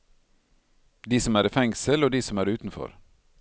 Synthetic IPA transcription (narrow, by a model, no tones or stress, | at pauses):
d̪iːsɔmæːɾifɛŋsəloːd̪iːsɔmæːɾʉːt̪n̩fɔ̰ɾ